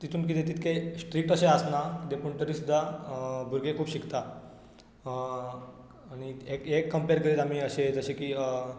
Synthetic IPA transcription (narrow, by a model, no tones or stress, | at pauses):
t̪it̪ʰuːnk̬it̪et̪̬it̪kʰesʈɾiːʈəɕeəsnakit̪epuɳʈ̪əɾiːsud̪ʱːabʱuɾɡekʰuːpɕikt̪a | ɽ̃iekekːəmpeɾkəɾiːlam̤iːəɕed͡zəɕekiː